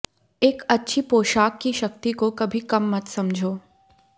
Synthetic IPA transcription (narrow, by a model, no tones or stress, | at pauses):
eːkɐtːʃʰipoːʃaːkːiʃɐk̚t̪ikokɐbʱikɐmːɐt̪sɐmd͡ʒʱoː